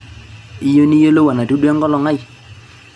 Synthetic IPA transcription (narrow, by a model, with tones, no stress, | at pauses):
i˦jo˦ni˦jo˦lo˦wa˨na˨tu˦du˦a˦ŋɡɔ˦lɔ˦ŋa˦j